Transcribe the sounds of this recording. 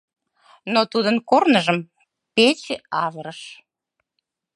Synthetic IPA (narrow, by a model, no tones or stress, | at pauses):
not̪ud̪ənkornəʒəm | pet͡ɕeɑvəɾəʃ